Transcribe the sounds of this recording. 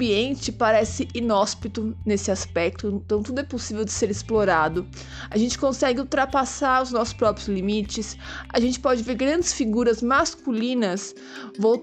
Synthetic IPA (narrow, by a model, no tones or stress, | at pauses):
biẽnt͡ʃɪpaɾɛsɪʔinɔspit̪ʊnesɪaspɛk̚t̪ʊẽt̪ɐ̃w̃t̪ud̪ʊɛposivewd͡ʒɪseɾɪsploɾad̪ʊ | aʒẽnt͡ʃɪ̥kõsɛɡɪuwt̪ɾapasaɾʊznɔsʊ̥spɾɔpɾjʊʊzlimit͡ʃɪsaʒẽnt͡ʃɪ̥pɔd͡ʒɪveɾɡɾɐ̃nd͡ʒɪsfiɡuɾɐzmaskulĩnɐs | vow